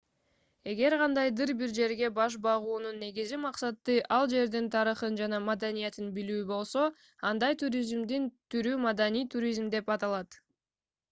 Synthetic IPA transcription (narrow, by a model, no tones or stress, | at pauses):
e̞ɡe̞ɾʁɑnd̪ɑjd̪ɯɾbiɾd͡ʒe̞ɾɡe̞bɑʃ̬bɑʁuːnunːe̞ɡizimɑqsɑt̪ːɯʔɑlˠd͡ʒe̞ɾd̪int̪ʰɑɾɯχɯnd͡ʒɑnɑmad̪anijet̪inbilyːbo̞lˠso̞ | ɑnd̪ɑjt̪ʰuɾʲizmd̪int̪ʰyɾymad̪anijt̪ʰuɾʲizmd̪e̞pɑt̪ɑlˠɑt̪